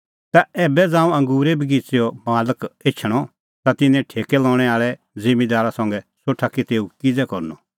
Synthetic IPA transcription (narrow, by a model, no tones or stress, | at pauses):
t̪aɛːbɛd͡zãːũɐ̃ŋɡuːɾebiɡit͡seɔmaːləket͡ʃʰəɽ̃ɔ | t̪at̪ɪnɛ̃ʈʰeːkɛlɔːɽ̃ɛaːɭɛ | d͡zɪmid̪aːɾasɐ̃ŋɡɛsoʈʰakit̪eːukɪd͡zɛkɔɾnɔ